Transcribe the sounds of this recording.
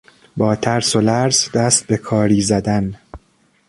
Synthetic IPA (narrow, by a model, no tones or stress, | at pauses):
bɒːt̪ʰæɾso̞læɾzd̪æst̪̚be̞kʰɒːɾiːzæd̪æn